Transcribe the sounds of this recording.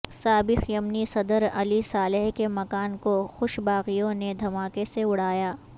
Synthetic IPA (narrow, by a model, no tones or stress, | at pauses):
saːbɪxjɐmnisɐd̪əɾɐlisaːleɦkemɐkaːnkoxʊʃbaːɣijõned̪ʱɐmaːkeseʊɽ̤aːjaː